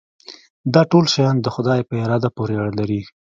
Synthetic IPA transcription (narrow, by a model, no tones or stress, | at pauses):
d̪ɑʈolʃajɑnd̪əxʊd̪ɑjpəɪɾɑd̪apoɾeaɽalaɾi